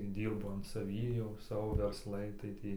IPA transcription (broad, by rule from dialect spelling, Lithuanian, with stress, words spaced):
ˈdʲiːrbʊ ɐn sɐˈʋʲiː jɛʊ ˈsɑːʋoː ʋʲɛrsˈlˠɐɪ tɐɪ ˈtʲiː